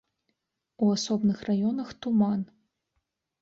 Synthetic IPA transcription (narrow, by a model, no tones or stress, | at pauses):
uasɔbnɨxrajɔnɐxt̪uman